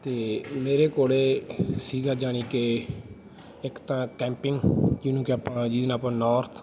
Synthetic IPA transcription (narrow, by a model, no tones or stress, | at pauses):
t̪eːmeːɾeːkoːleːsiːɡaːd͡ʒaːɳiːkeː | ɪkt̪ãːkɛ̃ːmpɪŋɡd͡ʒɪnũːkɪapãd͡ʒiːd̪naːpãːnɔːɾt̪ʰ